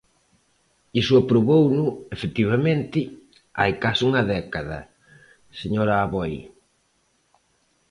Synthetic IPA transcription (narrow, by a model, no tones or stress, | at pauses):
isʊapɾoβownʊefet̪iβ̞amẽnt̪ɪ | a̰jkasuŋɐðɛkaðɐ̰ | seɲoɾaːβoj